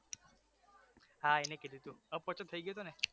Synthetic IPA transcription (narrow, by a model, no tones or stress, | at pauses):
ɦaeneked̪ʱit̪ũəpɔt͡ʃɔt̪ʰəiɡjot̪one